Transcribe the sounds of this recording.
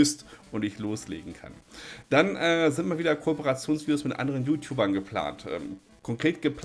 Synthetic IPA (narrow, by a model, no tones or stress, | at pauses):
ʏstʔʊntɪçloːslḛːɡŋ̩kʰa̰nd̥anʔɛːzɪntmalviːdɐkʰoɔpəʁat͡sjoːnsv̥iːdjoːsmɪtʔa̰ndəʁənjuːtʰjuːbɐnɡəpl̥a̰ːntʔɛ̰ːm | kʰɔŋkʁ̥eːtɡ̥əp